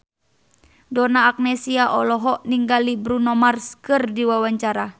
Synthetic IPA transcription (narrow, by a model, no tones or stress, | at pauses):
dɔnaːk̚nɛsiaʔɔlɔɦɔʔniŋɡalibɾunɔmarskɨrdiwawaɲt͡ʃaɾa